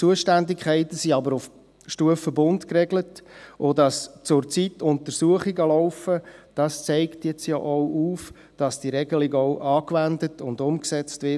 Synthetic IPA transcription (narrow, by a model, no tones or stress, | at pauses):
t͡suəʃtændikʰχɛɪtəsiɑbəɾʊf | ʃtuəfəbʊntkrɛɡlətʔodɑst͡sʊɾt͡sitʰʊntəɾsuəχiɡəlɔʊfəd̥ɑst͡sɛɪktjɛt͡sja̰ʔɔʊʔuːf | d̥ɑsd̥iɾɛɡəlɪɡɔʊʔɑːkʋændətʰʊndʊmksɛt͡stʋɪ